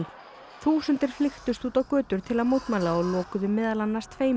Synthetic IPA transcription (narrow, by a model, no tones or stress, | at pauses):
l | θuːsʏnt̪ɪɾ̥flɪxt̪ʏst̪uːt̪awkœːt̪ʏɾ̥t̪ʰɪlaðmowt̪maːjlaɔlɔːkʏðʏmːɪːðalanːḁst̪ʰveːj